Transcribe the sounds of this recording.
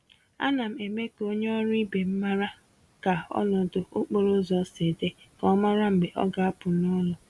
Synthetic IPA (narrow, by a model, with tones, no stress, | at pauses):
a̰˦na˨m̩˨e˨me˦ko˦ɲe˦ɔ˦ɾʊ˦i˦be˨m̩˦ma˦ɾa˦ | ka˨ɔ̰˦nɔ˨dʊ˨o˦k͡po˦ɾo˦zɔ˦se˨de˦kɔ˨˦ma˦ɾa˦m̩˨be˨ʔɔ̰˦ɡa˨a˦pʊ˨nɔ˦lɔ˨